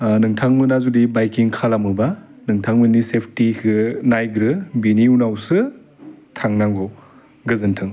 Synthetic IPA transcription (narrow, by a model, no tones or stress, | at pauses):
nɯŋtʰaŋmɯnazudibajkiŋkʰalamɯba | nɯŋtʰaŋmɯnisepʰtikʰɯnajɡɾɯbiniunawsɯ | tʰaŋnaŋɡɔ | ɡɯzɯntʰɯŋ